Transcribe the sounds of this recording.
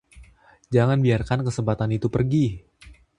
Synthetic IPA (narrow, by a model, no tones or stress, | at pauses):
d͡ʒaŋanbiarkankəsəmpat̪anit̪upərɡi